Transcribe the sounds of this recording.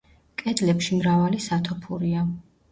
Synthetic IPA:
kʼɛd̪lɛpʃimɾavalisat̪ʰɔpʰuɾia

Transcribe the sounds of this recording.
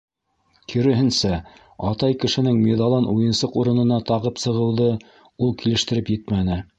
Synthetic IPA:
kʰiɾɘ̆ɦɘ̆nsæ | ɑt̪ɑjkɘ̆ʃɘ̆nɘŋmeðɑlˠɤnʔujɤ̆nsɤquɾɤ̆nɤ̆nɑt̪ɑʁɤpsɤ̆ʁɤ̆wðɤ | ulˠkilɘ̆ʃt̪ɘ̆ɾɘpjɘt̪mænɘ

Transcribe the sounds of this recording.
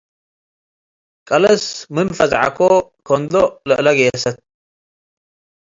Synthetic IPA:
kʼɐlɐsmɨnfɐzʕa̰kʰokʰond̪olɨ̰ʔlɐɡɐjɛsɐt̪̚

